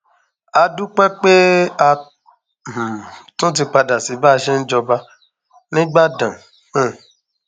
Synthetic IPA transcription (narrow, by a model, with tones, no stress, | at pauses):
a˧du˦k͡pɛ˦k͡pe˦a˧ | m̩̃˨tũ˦t̬i˧k͡pa˧da˨si˨˦ba˦˧ʃɛ˦n̩˦d͡ʒɔ˧ba˧ | nĩ˦ɡ͡ba˦˨dã˨˦˨